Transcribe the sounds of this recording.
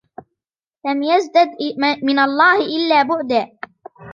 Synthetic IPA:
lamjazd̪ad̪mɪnalˤːɑːhɪʔɪlːaːbʊʕd̪aː

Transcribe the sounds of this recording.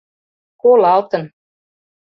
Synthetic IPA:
kolɑlt̪ɤ̆n

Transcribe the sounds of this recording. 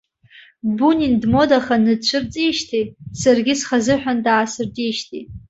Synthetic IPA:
bunʲindmo̞daχanɨdt͡ɕʷʰɨrt͡sʼiʃtʰisarɡʲɪsχazɨħᶣandaːsɨrdiʃtʰitʼ

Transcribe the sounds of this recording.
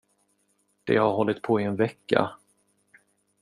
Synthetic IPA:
d̪̥ɛ̰haɾɦɔlːɪt̪̚pʰoːɪɛnvɛkːa̰

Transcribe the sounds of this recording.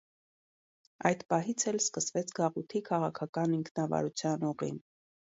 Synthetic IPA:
ɑjd̪pɑɦit͡sʰɛlskəsvɛt͡sʰɡɑʁut̪ʰikʰɑʁɑkʰɑkɑniŋkʰnɑvɑ̰ɾut͡sʰjɑnɔʁḭn

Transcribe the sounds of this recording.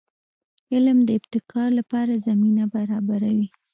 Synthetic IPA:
ɪlmd̪əɪbt̪ɪkʰɑɾlapɑɾazaminabaɾɑbaɾawi

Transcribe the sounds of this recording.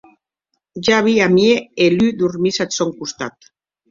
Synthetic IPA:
d͡ʒaβiamieelyd̪uɾmisasoŋkust̪at̪

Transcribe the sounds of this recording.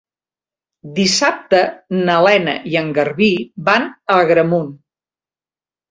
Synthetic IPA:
d̪isap̚t̪ənəlɛnə̰ʔiəŋɡərβibanəɣɾəmun

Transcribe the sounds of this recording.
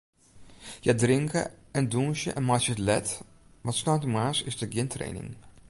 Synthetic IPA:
jədrɪŋkə̰ | ɛndunʃjə̰ʔɛnmat͡ʃəətlɛ̰t | ʋɑtsnawtəmaːsɪsdəɡɪntrḛjnɪ̰ŋ

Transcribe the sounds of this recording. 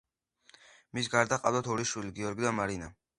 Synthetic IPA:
mis̬ɡaɾd̪aqʼavlat̪ʰɔɾiʃwiliɡiɔɾɡid̪amaɾina̰

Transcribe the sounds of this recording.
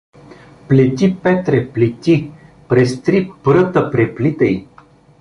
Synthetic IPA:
plʲɛt̪ʲipɛt̪ɾɛplʲɛt̪ʲi | pɾɛst̪ɾipɾət̪əpɾɛplit̪əj

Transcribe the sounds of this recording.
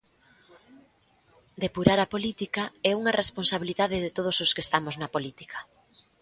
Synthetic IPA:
d̪epuɾaɾɐpolit̪ikaɛuŋɐrʔesponsaβ̞iliðaðɪðet̪oð̞ososkest̪amoznɐpolit̪i̥kʰɐ̥

